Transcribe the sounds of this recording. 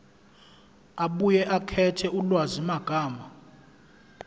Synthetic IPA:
aɓujɛʔakʰɛtʰɛulwazimaɡ̥ʱaːma

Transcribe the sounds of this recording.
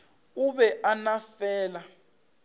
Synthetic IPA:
uɓɛʔanafɛːla

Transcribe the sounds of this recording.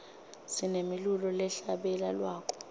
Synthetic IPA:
sinemilulɔlɛɬaɓɛlalwaːk̬ʰʼɔ̥

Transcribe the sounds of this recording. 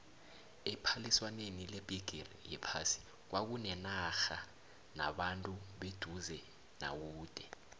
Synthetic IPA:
ɛpʰaliswanenileb̥ʱiɡ̥ʱirijɛpʰasi̥ | k̬wʔak̬unɛnaxa | na̰ɓantʼuɓed̥ʱuzɛ | na̰k̬uːd̥ʱɛ

